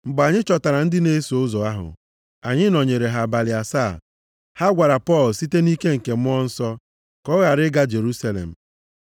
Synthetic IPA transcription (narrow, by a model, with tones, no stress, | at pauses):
ŋ͡m̩˨ɡ͡ba˨ɲɪ˦t͡ʃɔ˨ta˨ɾa˨n̩˦dɪ˦ne˦so˨ʊ˦zɔ˨a˦ɦʊ̰˨ | a˨ɲɪ˦nɔ˨ɲe˨ɾe˨ɦa˨ba˨lɪ˨a˨sa˦˨ | ha˦ɡʷa˨ɾa˨pɔ˦˨lsi˦te˦ni˦ke˦ŋ̩˨ke˨m˦ɔ˦n̩˦sɔ˦ | kɔ˦ɣa˨ɾɪ˦ɡa˦d͡ʒe˨ɾu˦sa˦lḛ˨m̩˨